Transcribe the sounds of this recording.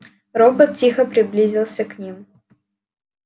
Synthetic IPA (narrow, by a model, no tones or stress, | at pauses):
robət̪̚tʲixəpɾʲɪblʲizʲɪlˠsʲəknʲim